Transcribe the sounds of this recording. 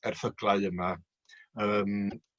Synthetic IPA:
ɛrfəɡlˠaɨəma | əːm

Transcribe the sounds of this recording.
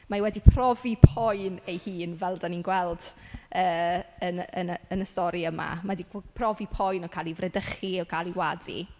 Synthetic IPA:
mawɛdipʰrɔvipʰɔjnejhiːnvɛlˠdaninɡwɛlˠd̥əːənənənəstɔɾiəma̰madipʰrɔvipʰɔjnɔkʰaːlˠivrɛdəχiɔkʰalˠiwadḭ

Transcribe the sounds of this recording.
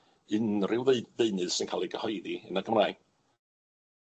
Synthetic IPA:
ɨnrɪwðeɨnɨð̥sɪnkʰalˠiɡəhɔjdiənaɡəmraj

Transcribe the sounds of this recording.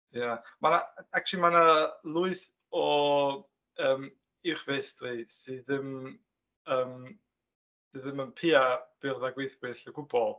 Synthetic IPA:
jamanaak̚t͡ʃlˠimanalˠʊɨs | ɔ | əːm | ɪwχvestrisɨðɪm | əːm | sɨðɪmənpʰɪab̥ɪrðaɡwejθb̥ɨɬɛɡʊbɔlˠ

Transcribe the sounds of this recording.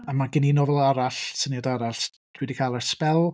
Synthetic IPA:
amaɡɪninɔvɛlˠaɾaɬsənjadaɾaɬ | d̥ʰwɛdikʰaːlˠɛrspɛlˠ

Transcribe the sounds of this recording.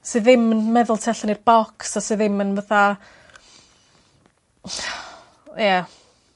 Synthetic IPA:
sɨːðɪmənmɛðʊlˠtʰɛɬanirb̥ɔksasɨːðɪmənvaθa | ja

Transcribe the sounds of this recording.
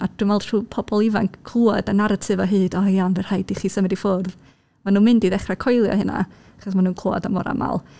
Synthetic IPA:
ad̥wɪmvɛlˠtruːpʰɔbɔlˠɪvankkʰːlˠuːɔdanaɾatʰɨvɔɦɨːdɔjanvɛrhajdiχiːsəmɪdifʊrð | manuːnmɨndiðɛχrakʰɔjlˠjɔ̰hɨna̰ | aχɔs̬manuːnkʰl̥ˠoɔ̰damɔ̰ɾa̰ma̰lˠ

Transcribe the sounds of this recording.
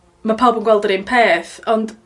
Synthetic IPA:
mapʰabənɡwɛlˠdəɾɪnpʰeːθɔnd̥

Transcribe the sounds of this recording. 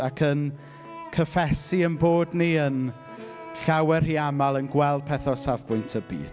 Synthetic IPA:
akʰən | kʰəfɛsiənboːdniən | ɬawɛrhiːamalˠənɡwɛlˠd̥̚pʰɛθɔsavbʊjntʰəbḭːd̥

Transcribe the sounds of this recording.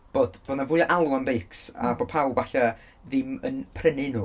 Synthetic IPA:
b̥oːd̥v̥oːdnavuːɨʔalˠuanbejksa̰boːd̚pʰawvaɬa | ðɪmə̰npʰrənɪnuː

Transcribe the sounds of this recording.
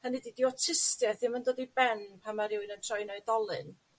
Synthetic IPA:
hənididiɔtʰɪstjɛθɪmandoːdibɛnpʰamaɾɪwɨnətʰrɔɨnɔɨdɔlˠɨ̰n

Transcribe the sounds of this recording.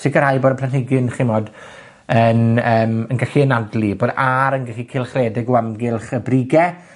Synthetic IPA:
sɪɡəɾhajboːdəpʰlanhɪɡɨnχɪnmɔːd | ənəːmənɡaɬiənadliboːdaɾənɡaɬikʰɪlˠχreːdɪɡwamɡɪlˠχəbriɡɛ

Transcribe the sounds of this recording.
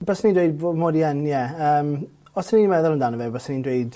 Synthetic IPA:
bəsniːdweɨdbomoːdiɛnjɛəːm | ɔsəniːmɛðɔlˠəndanəvɛbəsənindweɨd

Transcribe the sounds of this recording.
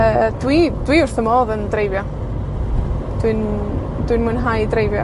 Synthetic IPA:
əd̥wid̥wiʊrθəmoːðəndrejvjɔ | d̥wɨn | d̥wɨnmʊnɦajdrejvjɔ

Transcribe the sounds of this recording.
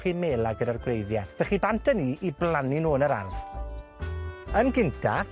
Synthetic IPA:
χimeːlˠaɡədarɡwrejðjavɛχibantʰəniːʔiblˠaninuːnəɾa̰rð̥ | ənɡɪntʰa̰

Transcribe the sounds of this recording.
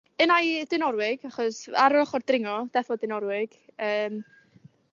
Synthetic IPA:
ənajdɪnɔɾwɪɡaχɔsaɾɔχɔrd̥rɪŋɔd̥ɛfɔdɪnɔɾwɪɡ̥əːm

